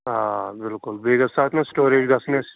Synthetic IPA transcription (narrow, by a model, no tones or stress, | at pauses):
ɦãbɪlkʊlbeːɡɐsaːt̪ʰnɐ̃sʈoːɾeːd͡ʒɡɐsnes